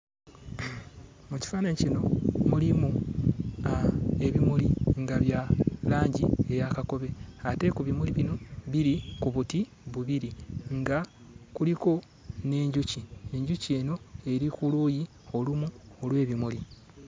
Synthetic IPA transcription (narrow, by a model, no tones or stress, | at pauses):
muci̥faːnaɲicino̞mulimu | e̞βimuliŋɡaβjalaːɲɟḭe̞jakako̞βe̞ate̞kuβimuliβino̞βiɾikuβuti | βuβiɾiŋɡa | kuliko̞ | ne̞ːɲɟucie̞ɲɟucie̞no̞e̞ɾikuluːji | o̞lumuolwe̞ːβimuli